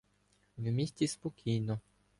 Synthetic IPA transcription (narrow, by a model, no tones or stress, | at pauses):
ʋmʲisʲtʲispɔkʲʰijnɔ